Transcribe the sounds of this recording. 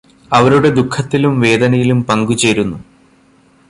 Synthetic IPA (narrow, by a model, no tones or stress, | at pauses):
ɐʋɐɾuɽe̞d̪ukʰːɐt̪ːilumʋe̞ːd̪ɐnɐjilumpɐŋɡut͡ɕeːɾunːu